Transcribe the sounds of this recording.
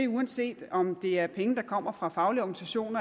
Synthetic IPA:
euænse̝̰ːd̥ɒ̽md̥e̝æɐpʰeŋənd̥ɑ̈kʰɒ̽m̰ɐfʁɑ̈fɑ̈ʊliɒɡ̥nisæɕo̝̰ːnɐ

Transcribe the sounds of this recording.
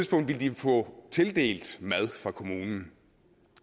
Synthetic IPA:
ðˠsb̥ɔ̽ŋ̰d̥ʋild̥ifɔ̽t͡sʰe̝ld̥e̝̰ːld̥mæð̞ˠfʁɑ̈kʰo̝muːnn̩

